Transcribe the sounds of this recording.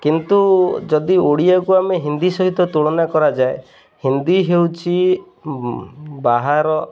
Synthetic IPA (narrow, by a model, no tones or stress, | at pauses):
kint̪ud͡ʒɔd̪ioɽiakuameɦind̪isɔɦit̪ɔt̪uɭɔnakɔɾad͡ʒae | hind̪iɦewt͡ʃʰi | baɦaɾɔ